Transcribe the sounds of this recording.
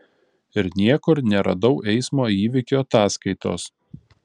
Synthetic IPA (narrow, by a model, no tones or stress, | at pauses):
ɪɾnʲiɛkʊɾnʲɛɾɐ̰d̪ɒʊʔɛɪsmoːiːʋʲɪkʲuːɐt̪ɑːskɐɪt̪o̰ːs